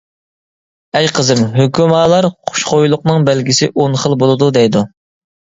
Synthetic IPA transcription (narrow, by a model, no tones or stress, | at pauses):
ɛjqʰəzɨmɦøkʲymɑːlˠɑɾqʰʊ̥ʃχojlˠʊqnɨŋbælɡʲisɪʔonχəlˠbolˠɨd̪ud̪ɛjd̪u